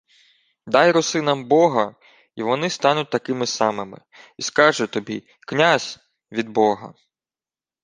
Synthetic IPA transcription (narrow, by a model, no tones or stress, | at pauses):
d̪ɑjɾʊsɪnɐmbɔɦɐ | iʋɔnɪst̪ɑnʊt̚ʲt̪ɐkɪmɪsɑmɪmɪ̰ | iskɑʒɛt̪ɔbʲi | knʲazʲ | ʋʲid̪̚bɔɦɐ̰